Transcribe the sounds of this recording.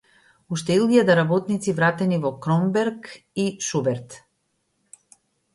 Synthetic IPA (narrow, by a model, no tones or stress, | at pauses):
uʃt̪ɛilˠɡiad̪aɾabɔt̪nit̪sivɾat̪ɛnivɔkɾɔmbɛɾk | iʃubɛɾt̪